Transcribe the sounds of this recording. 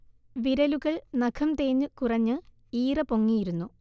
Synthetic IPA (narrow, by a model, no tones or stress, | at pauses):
ʋiɾɐluɣɐɭnɐkʰɐmt̪eːɲːɨkurɐɲːɨ | iːrɐpoŋːijiɾunːu